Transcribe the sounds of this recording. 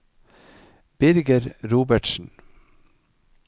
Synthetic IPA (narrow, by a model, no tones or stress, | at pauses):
b̥ɪɾɡəɾɾuːbəʈʃn̩